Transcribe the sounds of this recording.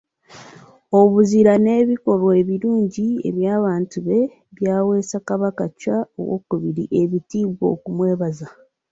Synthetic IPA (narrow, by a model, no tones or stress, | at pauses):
oβuziɾane̞ːβiko̞ɾweβiɾuːɲɟie̞̰βjaːβaːntuβe̞ | βjaːwe̞ːsakaβakacao̰wo̰kuβiɾḭʔe̞βitiːβwo̞̰ːkumwe̞ːβaza